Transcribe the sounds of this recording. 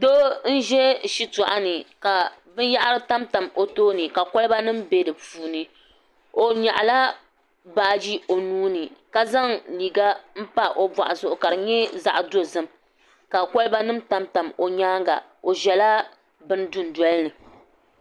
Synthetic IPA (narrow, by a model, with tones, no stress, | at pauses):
do˦n̩˦ʒɛ˦ʃi˦tɔ˨ʔa˦nɨ˨ka˨bɨ˦n˦ja˦ʔa˦ɾɨ˦ta˦mta˨mo˨toː˦nɨ˨ka˨kɔ˦lɨ˦ba˦nɨ˦mbe˦dɨ˨puː˨nɨ˨ | o˨ɲa˨ʔla˦ | baː˨d͡ʒi˦o˨nuː˦nɨ˨ka˨za˦ŋliː˨ɡa˦m̩˦pa˦ʔo˦bwa̰˨ʔa˨zʊ˨ʔʊ˨ka˨ɾɨ˨ɲɛ˦za̰˦˨ʔdo˦zɨ˦m | ka˨kɔ˦lɨ˦ba˦nɨ˦mta˦mta˨mo˨ɲaː˦ŋɡa̰˨ | o˨ʒɛ˨la˦ | bɨ˦ndu˦n˨dwɔ˦lɨ˦nɨ˨